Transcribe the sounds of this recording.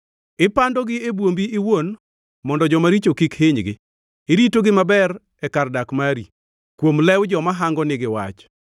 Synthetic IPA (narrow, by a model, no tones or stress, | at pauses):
ɪpandɔɡɪebwombiɪwon | mɔndɔd͡ʒɔmaɾit͡ʃokikheɲɡɪ̰ | eɾitoɡɪmabɛɾ | ɛkardakmaɾi | kwomlɛwd͡ʒɔmaɦaŋɡɔnɪɡɪwa̰t͡ʃ